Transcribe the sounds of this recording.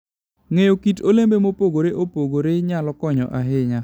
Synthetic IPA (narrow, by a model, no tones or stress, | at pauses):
ŋejokitolembemopoɡoɾeʔopoɡoɾeɲalɔkɔɲɔʔaɦɪɲa